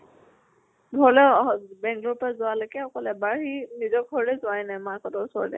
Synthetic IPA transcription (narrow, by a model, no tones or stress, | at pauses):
bʱɔɹlɛbɛŋklɔɹpɹazʊwalɔkɛɔkɔlɛbaɹhinizɔk̚ʰɔɹlɛzʊajnajmaɹkɔtɔɹsɔɹlɛ̰